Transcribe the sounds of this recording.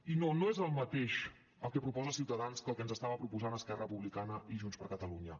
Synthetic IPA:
inonoezəlˠmət̪eʃ | əlˠkɛpɾupɔzəsiwt̪əðanskəlˠkɛənzəst̪aβəpɾupuzanəskɛrəpuβlikanəʔiʒunspəɾkət̪əluɲə

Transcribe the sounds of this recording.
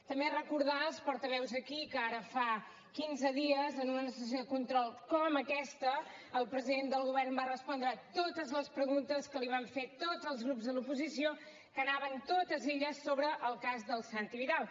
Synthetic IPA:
t̪əmberəkuɾðaspɔɾt̪əβ̞ɛwzəkikəaɾəfa | kinzəðiəzənunənəsəs̬joðəkunt̪ɾɔlˠkɔməkɛst̪əəlˠpɾəziðend̪əlˠɣuβɛrmbarəspɔnd̪ɾəːt̪ot̪əzləspɾəɣunt̪əskəliβ̞aɱfet̪od͡zəlˠzɣɾupzðəlupuzisio | kənaβənt̪ot̪əzeʎəsːoβɾəʔːlˠkazðəlˠsant̪iβiðalˠ

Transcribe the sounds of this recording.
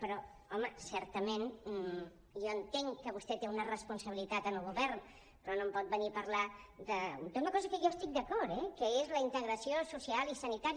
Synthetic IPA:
pəɾɔ | ɔməsɛɾt̪əmen | ʒɔənt̪eŋkəβust̪ɛt̪eunərəspunsəβilit̪at̪ənəlˠɣuβɛɾn | pɾɔnõmpɔt̪̚bənipəɾlad̪əd̪unəkɔzəkəʒɔst̪ik̚d̪əkɔɾt̪ɛkəezləint̪əɣɾəsiosusialisənit̪aɾ

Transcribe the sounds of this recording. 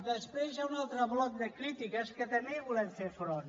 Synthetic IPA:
d̪əspɾezaunalˠt̪ɾəβlɔk̚d̪əkɾit̪ikəskət̪əmeβulɛɱfefɾon

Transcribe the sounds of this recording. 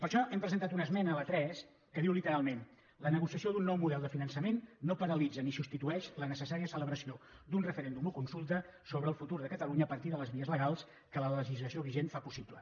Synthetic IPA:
pəɾʃɔʔɛmpɾəzənt̪at̪unəzmɛnəːlət̪ɾɛs | kəðiwlit̪əɾalˠmen | lənəɣusiəsioðunːɔwmuðɛlˠd̪əfinənsəmenːopəɾəlid͡zənisust̪it̪uɛʃlənəsəsaɾiəsələβɾəsiod̪unrəfəɾend̪umukunsulˠt̪əsoβɾəːlˠfut̪uɾðəkət̪əluɲəːpəɾt̪iðələzβiəzləɣalˠs | kələləʒizləsioβiʒenfapusiplə̰

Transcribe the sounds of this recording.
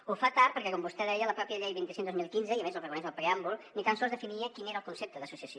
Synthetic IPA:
ufat̪aɾpəɾkɛkɔmbust̪ɛðɛjələpɾɔpjəʎɛjβint̪isend̪ozmilˠkinzəiəmezəlˠrəɣunizməlˠpɾeambulˠnit̪ansɔlˠzðəfiniəkineɾəlˠkunsep̚t̪əðəsusiəso

